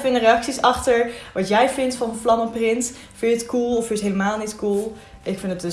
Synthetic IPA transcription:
fɪndərejɑksisɑχtəɹʋɑtjɛjvɪntfɑnənflɑməprɪnt | fɪnətkulˠɔfɪtɦejləmaːlˠnitkulˠ | ʔɪkfɪndədə

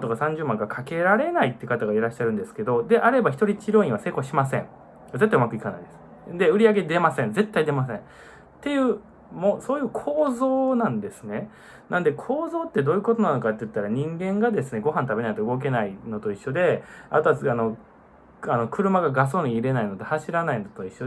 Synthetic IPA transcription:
t̪o̞kasãɲ̟d͡ʑɨːmãŋɡakʰake̞ɾaɾe̞nait̪ːeɯ̟kat̪aɡaiɾaɕːaɾɯ̟̃nd̪esɨ̥ke̞d̪o̞d̪e̞ʔaɾe̞baçʲi̥t̪o̞ɾʲit͡ɕiɾo̞ːĩβase̞ːko̞ɕimasẽ̞̰ɴ | ɡazet̪ːaiɯmakɯ̟ikana̰id̪e̞sɨ̥ | d̪e̞ɯ̟ɾʲiaɡe̞d̪e̞masẽ̞nd͡ze̞t̪ːaid̪e̞mas̬ẽ̞n | t̪e̞jɯ̟ː | moso̞ːjɯ̟ːkʰoːzo̞ːnãnd̪e̞sɨne̞ | nãnd̪e̞kʰo̞ːzo̞ːt̪ːe̞d̪o̞ːjɯ̟ko̞t̪o̞nano̞kat̪ːe̞jɯ̟t̪ːaɾaɲ̟ĩŋɡẽ̞ŋɡad̪e̞sɨne̞ɡo̞ɦãnt̪abe̞nait̪oɯ̟ɡo̞k̬e̞naino̞t̪o̞iɕːo̞d̪e̞a̰t̪oasano̞ | ano̞kɯ̟ɾɯ̟maɡaɡas̬o̞ːɲ̟iːɾe̞naino̞t̪ehaɕiɾanainot̪o̞iɕːo

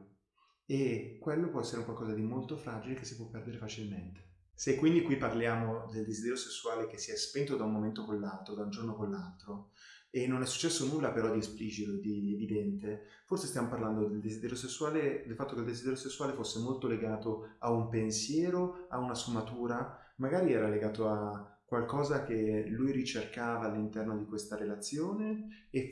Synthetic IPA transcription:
ekːwelːopwɔɛsːeɾeuŋkwalkɔːzad̪imolt̪ofɾaːd͡ʒilekesːipwɔpːɛrd̪eɾefat͡ʃilment̪e̥ | sekːwind̪ikwipːarljaːmod̪eld̪ezid̪ɛɾjosesːuaːlek̟esːiɛspent̪od̪aumːoment̪okonlːalt̪ɾod̪aund͡ʒornokolːalt̪ɾo | enːonɛsːu̥t͡ʃːɛsːonulːapeɾɔd̪iespliːd͡ʒit̪od̪ievid̪ɛnt̪e | forsest̪jamoparland̪od̪eld̪ezid̪ɛɾjosesːuaːled̪elfat̪ːokeild̪ezid̪ɛɾjosesːuwaːlefosːemolt̪oleɡaːt̪oaumpensjɛːɾoaunasfumat̪uːɾa | maɡaːɾiɛːɾaleɡaːt̪oa | kːwalkɔːzak̟elujɾit͡ʃerkaːvaːlːint̪ɛrnod̪ikwest̪aɾelat̪sːjoːneː

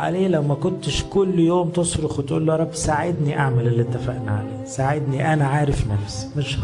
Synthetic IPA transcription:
ʕa̰leːlæwmækont̪eʃkʊlːjoːmt̪esˤɾoxwet̪ʔṵːlːoɑɾˤɑbːsaʕed̪niʔaʕmælelet̪ːefæ̰ːʔnaʕa̰leːsaʕed̪niʔænæʕaːɾefnæfs | mɪʃh

